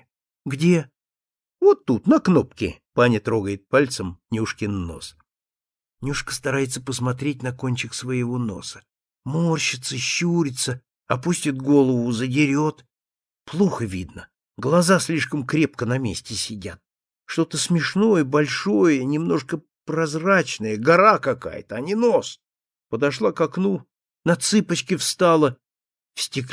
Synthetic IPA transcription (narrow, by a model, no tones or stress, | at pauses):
ɡdʲe | vo̞t̪ːut̪nɐkno̞pkʲɪ̰panʲɪt̪ɾo̞ɡəjɪt̪̚palʲt̪səmnʲuʂkʲɪnːo̞̰s | nʲuʂkə̥st̪ɐɾajɪt̪səpəsmɐt̪ɾʲet̚ʲnɐkonʲt͡ɕɪksvəjɪvo̞no̞̰sə̥ | morɕɪt̪səɕːuɾʲɪt̪sə | ɐpusʲtʲɪt̪̚ɡo̞lˠəvʊzədʲɪɾʲo̞t̪ | plˠuxəvʲḭd̪nə | ɡlˠɐzasʲlʲiʂkəmkɾʲe̞pkənɐmʲḛsʲtʲɪsʲɪdʲa̰t̪̚ | ʂt̪o̞t̪əsmʲɪʂno̞jəbɐlʲʂo̞jənʲɪmno̞ʂkə | pɾɐzrat͡ɕnəjəɡɐɾakɐka̰jə̰t̪əɐnʲino̞s | pəd̪ɐʂlˠakɐknu | nɐt̪sɨpət͡ɕkʲɪfst̪alˠə | fsʲtʲɪk